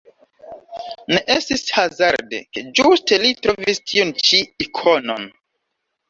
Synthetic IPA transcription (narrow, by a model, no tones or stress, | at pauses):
neʔestishazaɾdḛked͡ʒuste̞litɾo̞vistʰiont͡ʃiːkʰono̞̰n